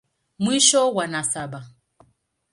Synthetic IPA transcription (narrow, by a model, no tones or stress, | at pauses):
mwiʃɔwanasaba